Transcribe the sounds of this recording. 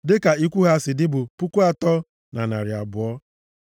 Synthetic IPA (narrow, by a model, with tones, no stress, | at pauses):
dɪ˦ka˨i˦kʷu˦ɦa˦sɪ˨dɪ˦bʊ˨pʊ˦ku˦a˨tɔ˦ | na˨na˨ɾɪ˨a̰˨bʊ˨ɔ˦